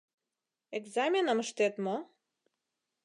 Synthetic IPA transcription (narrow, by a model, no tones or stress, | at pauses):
eɡzamʲenəməʃt̪et̪mo